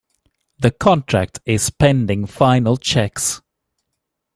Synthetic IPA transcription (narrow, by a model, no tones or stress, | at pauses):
ðəkʰɔ̃ntʰɹ̥æ̰k̚tʰɪz̥spʰɛ̃ndɪ̃ŋfaɪnəlˠt͡ʃʰɛks